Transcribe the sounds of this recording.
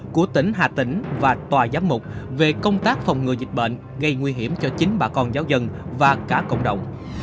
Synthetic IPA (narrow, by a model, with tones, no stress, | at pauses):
ku˧˩ət̪ï˧˩ŋ̟ɦaː˨˩t̪ï˧˩˦ŋ̟vaː˨˩t̪waː˨˩zaː˨˦mmʊ˨˩k͡p̚ve˨˩kə˧wŋ͡mt̪aː˦˥k̚fa˨˩wŋ͡mŋɨ˨˩zi˨˩k̟̚ɓə̰˧˨n | ɣə˧jŋwi˧ɦi˧˩əmt͡ɕɔ˧t͡ɕï˨˦ŋ̟ɓaː˧˩kɔ˧nzaː˨˦wzə˧nvaː˨˩kaː˧˩kə̰˧˨wŋ͡mɗə̰˧˨wŋ͡m